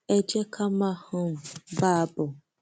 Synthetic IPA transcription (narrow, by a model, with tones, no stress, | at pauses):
e˦d͡ʒe˦kʰa˦ma˦hʊ˦m̩˨ba˦a˦bʊ˨